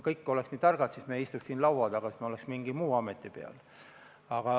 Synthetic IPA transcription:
kɤjkːoleksniːt̪ɑrɡ̥ɑt̪siːsmejist̪uksiːnlɑwwɑd̪̥ɑɡ̥ɑsismeoleksmiŋɡimuːɑmet̪ːˑipe̞ɑ̰l | ɑɡ̥ɑ

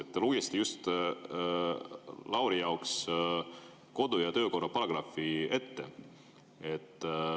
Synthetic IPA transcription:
et̪ːelujest̪ijust̪ | lɑwɾijɑoks | ko̞d̪̥ujɑt̪ø̞ːko̞rːɑpɑlɑɡ̥rɑfie̞t̪ːe̞ | et̪ːˑ

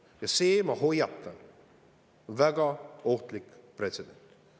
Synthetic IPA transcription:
jɑse̞ːmɑho̞jɑt̪ːˑɑn | onvæɡɑo̞ht̪likpre̞t̪sed̪̥e̞nt̪

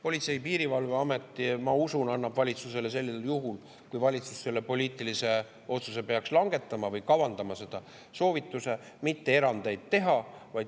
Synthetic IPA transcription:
po̞lʲit̪se̞ipiːɾivɑlveɑme̞t̪ːˑimɑusunɑnːɑb̥vɑlʲit̪suse̞le̞se̞lʲːiseljuɦul | kujvɑlʲit̪susːe̞lːe̞po̞lʲiːt̪ˑilise̞ | o̞t̪suse̞pe̞ɑkslɑŋɡ̥e̞t̪ːˑɑmɑvɤjkɑwɑnd̪̥ɑmɑse̞d̪̥ɑ | so̞ːvit̪ːˑuse̞ | mit̪ːe̞e̞ɾɑnd̪e̞jd̪̥̚t̪e̞ɦɑvɑj̪

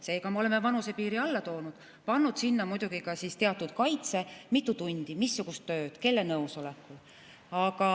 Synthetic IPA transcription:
se̞ːkɑmeole̞mevɑnuse̞piːɾiɑlːɑt̪o̞ːnud̪̥ | pɑnːud̪̥sinːɑmujd̪̥uɡ̥ikɑsist̪e̞ɑt̪ːˑud̪̥̚kɑjt̪se̞mit̪ːˑut̪unʲd̪̥imisːuɡ̥ust̪ːø̞ːd̪̥ke̞lːe̞nɤwso̞lekːˑul | ɑɡ̥ɑ

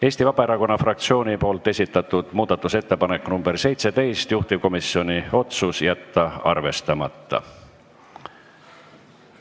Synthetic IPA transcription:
e̞ːsʲt̪ivɑb̥ɑe̞ɾɑko̞nːɑfrɑk̚t̪sio̞ːnipo̞ːlt̪ːˑe̞sʲit̪ːˑɑt̪ːud̪̥muːd̪̥ɑt̪ːˑuse̞t̪ːe̞pɑnekːnumb̥e̞rse̞jt̪se̞t̪e̞jst̪juht̪ib̥̚ko̞misːio̞nio̞t̪susjæt̪ːɑɑrve̞st̪ɑmɑt̪ːˑɑ̰

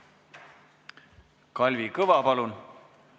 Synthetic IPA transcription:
kɑlʲvikɤvɑpɑlun

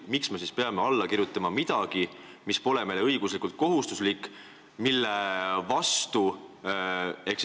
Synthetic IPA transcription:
miksme̞s̬iːspeɑmeɑlːɑkirjut̪ːˑɑmɑmid̪̥ɑɡ̥i | mispo̞le̞me̞leɤjɡ̥uslikult̪̚ko̞ɦust̪uslikː | milːe̞vɑst̪u | e̞ks

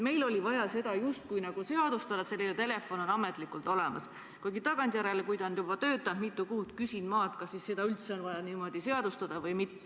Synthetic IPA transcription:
me̞jlo̞lʲivɑjɑse̞d̪̥ɑjust̪̚kujnɑɡ̥use̞ɑd̪̥ust̪ɑd̪ɑse̞lːinet̪e̞le̞fo̞no̞nɑme̞t̪ˑlikult̪ˑo̞le̞mɑ̰s | kujɡit̪ɑɡ̥ɑnt̪ʲjæɾe̞lekujd̪ɑnd̪̥jubɑt̪ø̞ːt̪ːˑɑnd̪mit̪ːˑukuːt̪kysʲind̪mɑːt̪kɑsːisse̞d̪̥ɑylt̪se̞o̞nvɑjɑniːmo̞d̪̥ise̞ɑd̪̥ust̪ɑd̪̥ɑvɤjmit̪ˑːe̥

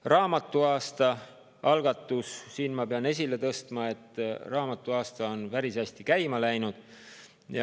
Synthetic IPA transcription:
rɑːmɑt̪ːˑuɑːst̪ɑ | ɑlɡ̥ɑt̪ːˑussiːnmɑpeɑne̞s̬ʲile̞t̪ɤst̪mɑe̞t̪ːˑrɑːmɑt̪ːˑuɑːst̪ɑo̞npæɾisæsʲt̪ikæjmɑlæjnud̪̥ | jɑ

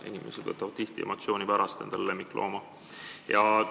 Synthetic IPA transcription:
ʔḛnʲime̞̰sed̪̥vɤt̪ːˑɑvɑd̪̥̚t̪iht̪iḛmot̪sio̞ːnipæɾɑst̪e̞̰nd̪̥ɑlle̞mːikːˑlʔo̞̰ːmɑ | jɑ

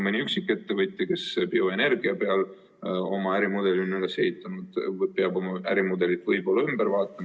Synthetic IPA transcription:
menʲiyksikːˑe̞t̪ːe̞vɯt̪ʲːˑjɑke̞sb̥io̞ene̞ɾɡiɑpe̞ɑl | o̞̰mɑæɾimud̪̥e̞lynːeleseit̪ˑːɑnud̪̥peɑbo̞mɑʔæɾimud̪e̞lit̪vɤjbo̞lːɑymb̥eɾvɑːt̪ːˑɑm

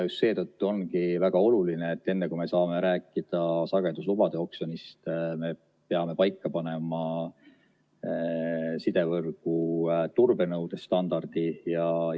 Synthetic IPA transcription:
just̪se̞ːt̪ɤt̪ːuo̞nkivæɡ̥ɑo̞lulineːt̪ːe̞nːekume̞sɑːme̞ɾæːkːˑid̪̥ɑsɑɡ̥e̞d̪̥uslubɑd̪̥e̞o̞kso̞nist̪me̞ | pe̞ɑme̞pɑjkːɑpɑne̞mɑ | sid̪̥e̞vɤrɡ̥ut̪urbe̞nɤwd̪̥e̞st̪ɑnd̪̥ɑrd̪̥ijɑ

